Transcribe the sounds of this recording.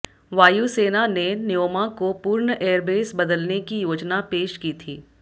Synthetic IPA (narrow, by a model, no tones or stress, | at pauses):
ʋaːjuseːnanenɪjoːmakopuːɾɳəʔeːəɾbeːsbɐd̪əlnekijoːd͡ʒnapeːʃkiːt̪ʰiː